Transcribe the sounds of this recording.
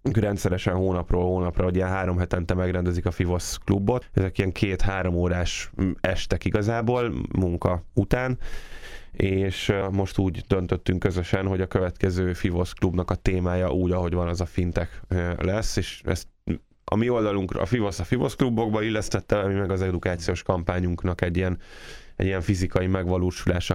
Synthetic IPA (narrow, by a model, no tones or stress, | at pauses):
ykrɛnt̪sɛɾɛʃɛnɦoːnɒproːlhoːnɒprɒoɟiɛnɦaːɾo̞mɦɛt̪ɛnt̪ɛmɛɡɾɛnd̪ɛzikɒfivo̞sklubːo̞t̪ɛzɛkijɛŋkʰeːt̪haːɾo̞moːɾaːʃɛʃt̪ɛkiɡɒzaːboːlmuŋkɒut̪aːn | eːʃmo̞ʃt̪uːɟd̪ønt̪øt̪ːyŋkːøzøʃɛnɦo̞ɟɒkø̞vɛt̪kɛzøːfivo̞sklubnɒkɒt̪eːmaːjɒʔuːɟɒɦo̞ɟʋɒnɛzɒfint̪ɛklɛsːeːʃɛ̰st̪ | ɒ̰mio̞ld̪ɒluŋkr̰fivo̞sɒfivo̞sklubːo̞ɡbɒilːɛst̪ɛt̪ːɛɒmimɛɡɒzɛd̪ukaːt̪sijoːʃkɒmpaːɲuŋknɒkɛɟːijɛnɛ̰ɟːijɛɱfizikɒjimɛɡʋɒloːʃulaːʃɒ